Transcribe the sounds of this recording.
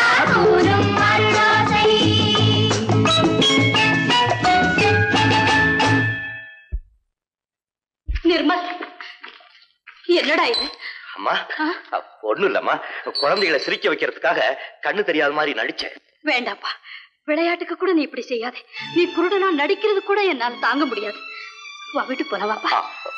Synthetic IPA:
kuɾɯm | ɐɾɯɽoːsɐj | nɪɾmɐl | ɛnːɐɽaːjɪðɯaːmːa̰ːaːɔɳːɯɪlːɐ̰mːa̰ːkʊɻɐnd̪ɐjɪɭɐsɪɾɪkːɐʋɐɪkːɪɾɐðɯkːaːɣɐkɐɳːɯt̪ɛɾɪjaːðɐmaːd̪ɾinɐ̰ɽɪt͡ʃːɛ̰̃ː | ʋeːɳɖaːpːaː | ʋɪɭɐjaːʈːɯkːɐkːuːɽɐnĩːɪpːɐɽisɛjːaːðɯːnĩːpʊɾʊɽɐnaːnɐɽɪkːɪɾɐðɯkuːɽɐɛnːaːlɐt̪aːŋɡɐmʊɽɪjaːðɯʋaːʋiʈːɯkːoːlɐːʋaːpːaːa̰ː

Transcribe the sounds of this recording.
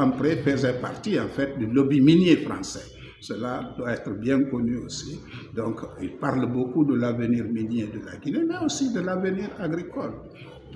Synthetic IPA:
ãmpɾefəzɛpa̰rt̪iɑ̃fɛt̪̚d̪ylobiminjefɾɑ̰̃sɛ | səlad̪waɛt̪ɾəbjɛ̃kɔnyosid̪ɔ̃ŋkilpaʁlbokud̪əlavəniːʁminjed̪əla̰ɡinemɛosid̪əlavəniːʁaɡɾikɔl

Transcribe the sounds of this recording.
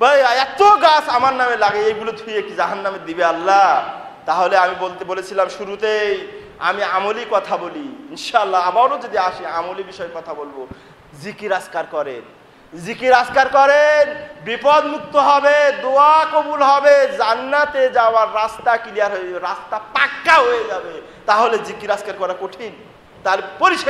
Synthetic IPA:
bəjaɛt̪oɡasamaɾnamelaɡeejɡulod̪ʱuijekid͡ʑaɦanːamed̪ibealːa | t̪aɦoleamibolt̪ebolet͡ɕʰilamʃuɾut̪ejj | a̰miamolikɔt̪ʰaboliinʃaalːaabawɾod͡ʑod̪iaʃiamolibiʃɔekɔt̪ʰabolbo | zikiɾaskaɾkɔɾen | zikiɾaskaɾkɔɾenbipod̪muk̚t̪oɦɔbed̪oakobulɦɔbed͡ʑanːat̪ed͡ʑaoaɾːast̪akilijaɾɦoeeɾast̪apakːaɦojed͡ʑabe | t̪aɦoled͡ʑikiɾaskaɾkɔɾakoʈʰin | t̪aɦlepoɾiʃ

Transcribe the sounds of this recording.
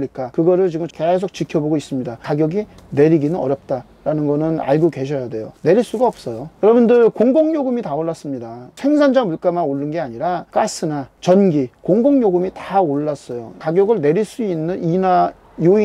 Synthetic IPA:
ik͈akɯɡʌɾɯɭt͡ɕiɡɯmke̞s̬ʰok̚t͡ɕikʰjʌboɡois͈ɯmɲidakaɡjʌɡine̞ɾiɡinɯnʌɾjʌp̚t͈a | ɾanɯnɡʌnɯna̰ɭɡukwe̞ɕʰʌjade̞jo̰ne̞ɾiɭs͈uɡaʌp̚s͈ʌjojʌɾʌbundɯɾkoŋɡoŋɲoɡɯmitaoɭːas͈ɯmɲidasʰe̞ŋsʰand͡ʑamuɭk͈amanoɭːɯnɡe̞aɲiɾak͈asʰɯnat͡ɕʌnɡikoŋɡoŋɲoɡumitaoɭːas͈ʌjo̰kaɡjʌɡɯɭneɾiɭs͈uinːɯnina | joi

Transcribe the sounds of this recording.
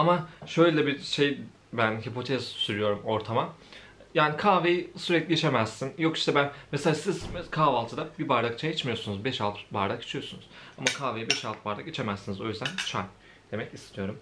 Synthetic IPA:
amaʃø̞jlʲɛbiʃe̞j | bænɦipʰo̞t̪ʰɛz̥syɾyjo̞ɾumo̞ɾt̪ʰama | jaːnikʰaːvejisyɾɛclʲiit͡ʃʰe̞mæz̥sinjo̞ki̥ʃt̪ɛbænmeselʲasizkʰaːvalˠt̪ʰɯd̪abibaɾd̪akt͡ʃʰajit͡ʃmijo̞sunuzbɛʃalˠt̪ʰbaɾd̪aki̥t͡ʃʰijo̞sunuz̥amakʰaːvejibɛʃalˠt̪baɾd̪akit͡ʃʰe̞mæzːinizo̞jyzd̪ænt͡ʃʰan | d̪̥e̞mɛcist̪ʰijo̞ɾum

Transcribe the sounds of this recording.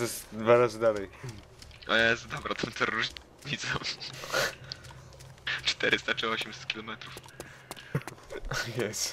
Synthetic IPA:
ɛsd̪vaɾazɨd̪alɛj | jɛsd̪ɔbɾat̪ʰɛmt̪ʰɔɾuʐ | ɲit̪sɛ | t͡ʂt̪ɛɾɨst̪at͡ʂɛɔɕɛmsɛ̥t̪̚kʲilɔmɛt̪ɾuf | jɛst̪

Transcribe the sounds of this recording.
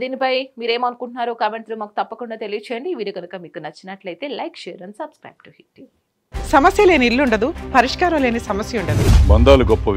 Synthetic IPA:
d̪iːnipɐjmiːɾe̞ːmɐnukuɳʈunaːɾukaːmeɳʈlumaːku̥t̪ɐpːɐkuɳɖaːt̪e̞lijɐt͡ʃɛːjɐɳɖiʋiːɽuɡɐnukɐmiːkunɐt͡ʃːinɐʈlɐjt̪e̞ːlɐjkʃɛːɐɾɐnsɐbskɾɐ̰ːjb̚ʈuhiʈju | sɐmɐsjɐleːniilːuɳɖɐd̪upɐɾiʂkaːɾɐmle̞ːnisɐmɐsjɐuɳɖɐd̪ubɐnd̪aːluɡɔpːɐ

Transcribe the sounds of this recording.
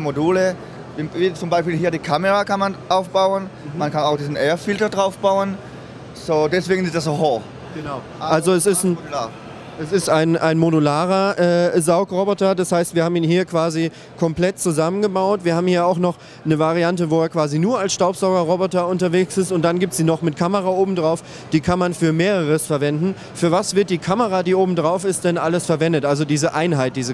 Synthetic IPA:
moduːlə | vviːt͡sʊmbaɪʃpiːlhiːɐdiːkʰaməʁakanmanʔaʊfb̥aʊənmankʰanaʊxd̥iːzn̩ʔɛːɐfɪltɐdʁaʊfb̥aʊən | zoːdɛsv̥eːɡənɪstd̥asoho | ɡ̥ənaʊ | ʔʔalzoɛsɪsta | ʔɛsɪstaɪnʔaɪnmodulaːʁɐʔɛːzaʊkʁobɔtɐdashaɪstv̥iːɐaːbm̩iːnhiːɐkv̥aːzi | kʰɔmplɛtt͡suzamənɡəbaʊtv̥iːɐhaːbmhiːɐaʊxnɔχ | nəvaʁiantəvoːɛːɐkv̥aːzinuːɐalsʃtaʊpz̥aʊɡɐʁɔbɔtɐʊntɐveːksɪstʊnt̚d̥anɡiːp̚tz̥iːnɔχmɪtkʰaməʁaʔoːbm̩dʁaʊf | d̥iːkʰanmanfyːɐmeːʁəʁəsfɛɐvɛndn̩ | fyːɐvasv̥ɪɐt̚d̥iːkʰaməʁaːdiːʔoːbm̩dʁaʊfɪstd̥ɛnʔaləsfɛɐvɛndətʔalzodiːzəʔaɪnɦaɪt̚d̥iːzə

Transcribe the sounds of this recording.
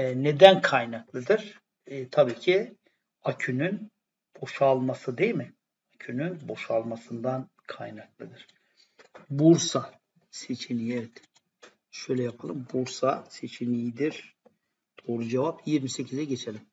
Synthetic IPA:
ɛne̞d̪ænkʰajnaklˠɯd̪ɯɾ̥ | t̪ʰabiːcʰi | acʰynyn | b̥o̞ʃalˠmasɯd̪e̞jilmɪ | acʰynynbo̞ʃalˠmasɯnd̪an | kʰajnaklˠɯd̪ɯɾ̥ | buɾsa | se̞t͡ʃʰinijevɛt̪ | ʃø̞jlʲɛjapʰalˠɯmbuɾsase̞t͡ʃʰinijid̪iɾ̥ | d̪̥o̞ːɾud͡ʒevapjiɾmise̞cʰizɛɟe̞t͡ʃʰe̞lʲim

